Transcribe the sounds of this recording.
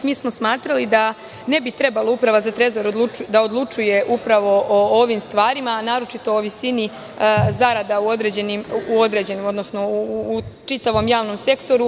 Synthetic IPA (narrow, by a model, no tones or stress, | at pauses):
miːsmo̞smaːt̪ɾalid̪a | ne̞bit̪ɾe̞balˠoupɾaʋazat̪ɾe̞zo̞ɾod̪luud̪aod̪lˠut͡ʃuje̞ʔupɾaʋo̞ʔooʋimst̪ʋaːɾimanaːɾo̞t͡ʃit̪o̞oʋisini | zaɾad̪auo̞d̪ɾe̞d͡ʑenimuo̞d̪ɾed͡ʑe̞nimo̞d̪no̞sno̞ː | t͡ʃit̪aʋo̞mjaːʋno̞mse̞kt̪o̞ɾu